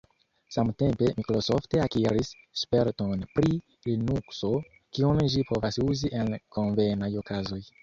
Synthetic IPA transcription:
samte̞mpe̞mikɾosofteakiɾisː | peɾto̞npɾi | linukso̞ | kiunʒipo̞vasuziʔenko̞nvejnajo̞kazo̞j

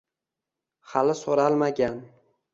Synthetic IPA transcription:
halɪsoɾalˠmaɡʲan

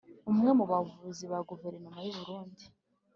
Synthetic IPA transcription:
umŋe̞muβavuziβaɡove̞ɾenomajuβuɾuːndi

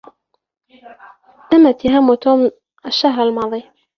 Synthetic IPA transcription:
t̪amːat̪ːɪɦamːut̪oːm | ʔaʃːahɾalmɑːðˤi

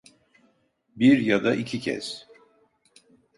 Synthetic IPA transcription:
biɾjad̪aicʰicʰɛ̰z̥

